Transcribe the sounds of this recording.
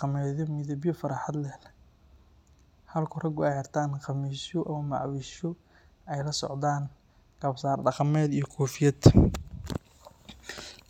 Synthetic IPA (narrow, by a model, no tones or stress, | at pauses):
qmɛːðɔmɪðɐβjɔfɐɾɑħɑd̪lɛːl | hɐlkʰʊrɐɡʊɛjɐrt̪ʰaːnqɑmiːʃɔʔɐmɐmɑ̰ʕwiːʃɔ | ɛjlɐsɔ̰ʕd̪aːn | ɡɐbsaːrɖɑqɑmɛːd̪ijɞkʰɔːfɪjɐd̪